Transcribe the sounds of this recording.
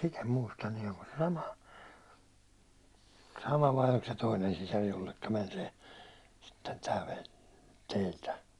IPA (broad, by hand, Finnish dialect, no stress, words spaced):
sit em muistɑ nin oŋko se sɑmɑ sɑmɑ ʋɑi olk se toinen sisɑr jolːekːɑ mæn se sitːen tæ ʋelʲ teiltæ